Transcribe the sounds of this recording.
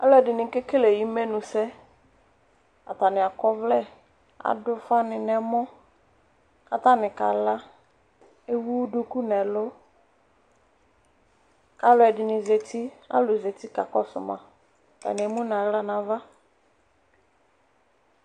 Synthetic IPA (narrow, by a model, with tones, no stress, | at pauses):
ka̰˦lʊ˦ɛ˨dɪ˨nɪ̃˨˦kɪ˦ke˦le˨ji˦me˦nʊ̃˨sɛ˦ | a˨ta˨nɪ˨a˨kɔ˦vlɛ˦ | a̰˨dʊ˦fa˦nɪ˨nɛ˨mɔ˦ | ka˨ta˦nɪ̃˨ka̰˨la˦ | e˦wu˦du˦ku˦nɛ˨lʊ˦ | ka˦lʊ˨ɛ˨dɪ˨nɪ̃˨ze˨ti˦a̰˦lʊ˨ze˨ti˦ka̰˨kɔ˦sʊ̰˨mã̰˨ | ka̰˨nɪ˨e˨mũ˦n˨a˨ɣla˦nã˨va˦